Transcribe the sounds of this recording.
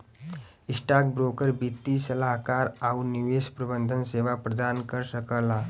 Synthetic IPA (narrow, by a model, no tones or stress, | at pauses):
isʈak̚bɾokəɾbit̪ːisəlaɦkaɾawniʋespɾəbənd̪ʱənseʋapɾəd̪ankəɾɕəkəla